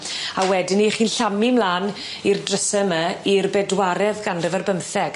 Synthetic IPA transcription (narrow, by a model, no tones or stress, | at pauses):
awɛdɪniχiːnɬamɪmlaːn | irdrəsɛməirbɛdwaɾɛðɡanrəvərbəmθɛɡ̥